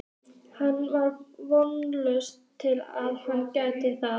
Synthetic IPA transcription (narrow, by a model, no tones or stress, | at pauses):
hanːvaɾvɔnlœɥstʰːɪlaðhancajt̪ɪθa